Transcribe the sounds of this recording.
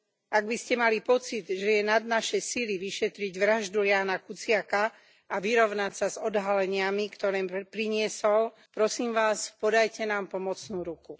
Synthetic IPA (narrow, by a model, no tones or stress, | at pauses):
ʔaɡbiscɛmalipɔt͡sid̪ʒɛjɛnad̪naʃɛjsiliʋiʃɛt̪ɾiɟʋɾaʒd̪ujaːnakut͡sɪaka | aʋiɾɔʋnacsazɔd̪ɦalɛɲɪamikt̪ɔɾɛːmpɾiɲɪɛsɔl | pɾɔsiːmʋaːspɔd̪ajcɛnaːmpɔmɔt͡snuːɾuku